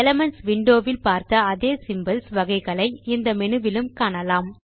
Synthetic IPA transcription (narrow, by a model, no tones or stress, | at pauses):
ɛlɐmɐnsʋɪɳɖoːʋɪlpaːɾt̪ɐːðeːsɪmbɐlsʋɐɣɐɪɣɐɭɐɪɪnd̪ɐmɛnɯʋɪlɯmkaːɳɐlaːm